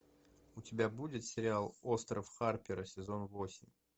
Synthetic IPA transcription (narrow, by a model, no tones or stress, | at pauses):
ʊtʲɪbʲabudʲɪt̪sʲɪɾʲɪalˠost̪ɾəfxarpʲɪɾəsʲɪzo̞nvosʲɪmʲ